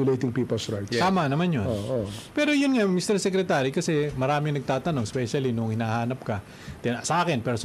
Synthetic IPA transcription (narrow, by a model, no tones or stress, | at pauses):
ʊlejt̪ɪŋpiːpɛlsɹajt̪aaːmɐnɐmanjonoʔopɛːɾojʊnŋamist̪ɛɾsɛkɾɛt̪aːɾikɐsɛmɐɾaːmɪŋnɐɡ̚t̪aːt̪ɐno̞ŋɛspɛʃɐlinʊŋhɪnaːhaːnɐp̚kɐ | t̪ɛsɐʔaːkɛnpɛɾo